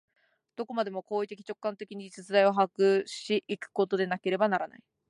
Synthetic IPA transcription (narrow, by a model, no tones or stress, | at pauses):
d̪̥o̞ko̞mad̪e̞mo̞ko̞ːit̪e̞kʲi̥t͡ɕo̞kːãnt̪e̞kʲiɲ̟isɨt͡sɨd̪aio̞ɦakɯ̟ɕiʔikɯ̟̥ko̞t̪o̞d̪e̞nake̞ɾe̞banaɾana̰i